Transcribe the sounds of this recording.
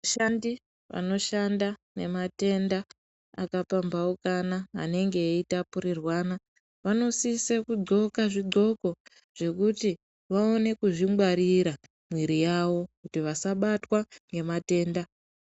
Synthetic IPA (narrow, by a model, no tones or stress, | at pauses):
aʃandi | ʋa̰no̞ʃandane̞̰mate̞nda | a̰kapambaukana̰ːne̞ŋɡe̞itapuɾirwaːna | ʋano̞sisekud͡zo̞kaʐiɡ͡ǀo̞ko̞ | ʐ̥e̞kuti | ʋao̞ne̞kuʐimwaɾiɾa | mwiɾijawo̞kutiʋasaɓatwaŋɡe̞mate̞ːnda